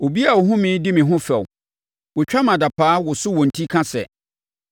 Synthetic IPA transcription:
o˨bi˦a˨wʊ˨ɦʊ̃˦mĩ˨˦dɪ˦mɪ̃˨ɦʊ̃˦fɛ˨w | wʊ˨t͡ɕᶣa˦mã˨da˨pʰaː˦wʊ˨sʊ˦wɔ̃˨n̩˨tʰi˦kʰã˦sɛ̰˨

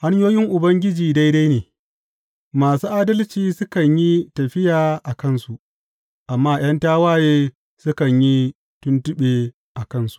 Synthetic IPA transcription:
ha˦ɲ˦joː˦jɪ˦ŋʔʊ˨bɐ˦ŋɡʲɪ˦d͡ʒiː˨da˦jda˦jneː˨ | maː˨suː˦ʔaː˦dɐ˦lt͡ʃiː˦sʊ˦kɐ˨ɲji˦tɐ˨ɸɪ˦jaː˨ʔa˨kɐ˦nsu˨ʔ | ʔa˨mːaː˦j̰ɐ˦ntaː˦waː˦jeː˦ | sʊ˦kɐ˨ɲji˦ | tʊ˦ntʊ˦ɓeː˨ | ʔa˨kɐ˦nsu̥˨˦ʔ

